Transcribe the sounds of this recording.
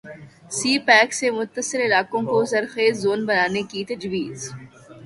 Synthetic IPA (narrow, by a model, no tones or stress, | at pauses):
siːpɛːksemʊt̪ːəsɪɾɪlaːkõkozɐɾxeːzːoːnbɐnaːnekit̪ɐd͡ʒwiːz